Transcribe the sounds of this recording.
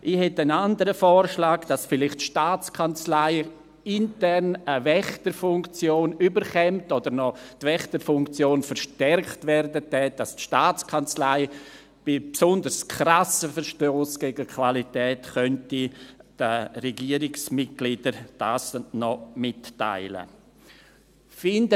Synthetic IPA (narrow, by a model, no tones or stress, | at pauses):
ʔɪhɛtənandəɾəfɔːɾʃlaːɡd̥asfɪlɪχtʃtaːt͡skʰant͡slaɪ | ɪntɛɾnəvɛχtəɾfʊŋkt͡sjoːnybəɾχɛmtɔdəɾnɔtvɛχtəɾfʊŋkt͡sjoːnfəɾʃtɛɾktvɛɾdədɛd̥astʃtaːt͡skʰant͡slaɪ | b̥ɪpsʊndəɾskʰɾasəfəɾʃtoːsɡ̥ɛɡəkʰvalitɛːtχœntid̥ərɛɡiəɾɪksmɪt̚ɡ̥lid̥əɾd̥aːsnɔmɪtːa̰ɪlə̰ | fɪndə